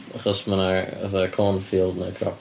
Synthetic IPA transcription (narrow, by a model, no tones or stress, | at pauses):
əχəsmənəðəkʰɔːnfiːlˠdnəkʰɾɔ̰p